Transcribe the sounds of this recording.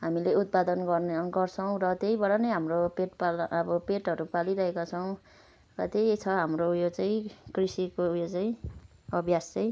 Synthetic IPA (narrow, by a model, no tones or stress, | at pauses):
ɦamileut̪̚pad̪ʌnɡʌrneʌŋɡʌrt͡sʰʌw̃rʌt̪ejbaɽanʌjɦamropeʈpalʌbʌpeʈɦʌɾupaliɾʌɦekat͡sʰʌw̃ | rʌt̪ejt͡sʰʌɦamrojot͡saĩkrisikojot͡saĩ | ʌbʱjast͡saĩ